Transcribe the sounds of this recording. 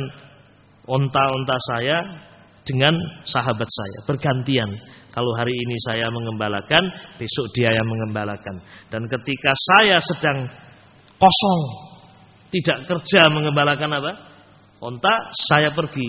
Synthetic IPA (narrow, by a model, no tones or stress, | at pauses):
n | ʔɔnt̪aɔnt̪asaja | d̥əŋansaɦabat̪̚sa̰ja̰b̥ərɡant̪iankaloɦaɾiːnisajaməŋəmbalakanb̥esʊʔd̥iajaməŋəmbalakand̥ankət̪ikasajasəd̥aŋ | kɔsɔŋ | t̪idaʔkərd͡ʒaməŋəmbalakanapa | ɔnt̪asajap̬ərɡi